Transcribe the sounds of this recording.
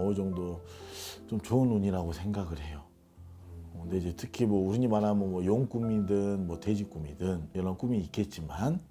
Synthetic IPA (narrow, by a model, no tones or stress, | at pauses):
ʌud͡ʑʌŋdo | t͡ɕomt͡ɕoɯnuɲiɾaɡosʰe̞ŋɡaɡɯɾɦe̞jo | kɯnde̞id͡ʑe̞tʰɯkʰimwʌuɾiɲimaɾɦamɯnwʌjoŋk͈umidɯnmwʌte̞d͡ʑik͈umidɯnjʌnank͈umiːk͈e̞t̚t͡ɕ͈iman